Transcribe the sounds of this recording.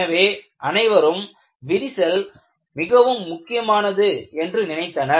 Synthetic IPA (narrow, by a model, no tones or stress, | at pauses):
ɐʋeː | ʔɐnɐɪʋɐɾɯm | ʋɪɾɪsɐl | mɪɣɐʋɯmːʊkːɪjɐmaːnɐðɯɛndrɯnɪnɐɪt̪ːɐnɐ